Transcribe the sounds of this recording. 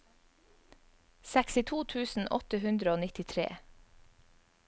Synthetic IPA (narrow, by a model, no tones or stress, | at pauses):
sæksɪt̪ʰuːt̪ʰʉːsn̩ʔɔ̰t̪əhʉnd̪ɾəoːnɪt̪ɪt̪ʰɾḛː